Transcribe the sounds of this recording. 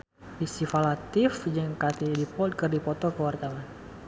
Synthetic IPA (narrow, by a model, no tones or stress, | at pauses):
fisifalat̪ɪfd͡ʒəŋkat̪idipɔt̪̚kərdipɔt̪ɔkəwart̪awan